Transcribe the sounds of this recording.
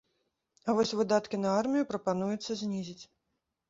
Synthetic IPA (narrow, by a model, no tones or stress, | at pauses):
ɐvɔsʲvɨd̪at̪kʲinɐarmʲijupɾɐpanujut̪sːɐzʲnʲizʲit͡sʲ